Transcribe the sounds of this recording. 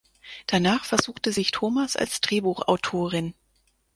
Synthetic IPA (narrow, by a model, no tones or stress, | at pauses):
d̥anaːχfɛɐzuːχtəzɪçtʰoːmasa̰lsd̥ʁeːbuːχʔa̰ʊtʰoːʁɪn